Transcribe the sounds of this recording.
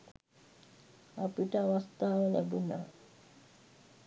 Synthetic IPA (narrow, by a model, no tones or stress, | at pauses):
apiʈəaʋast̪aːʋəlæbuna̰ː